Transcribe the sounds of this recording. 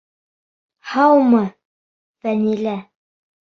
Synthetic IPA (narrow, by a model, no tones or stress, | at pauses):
hɑwmɤ | fænilæ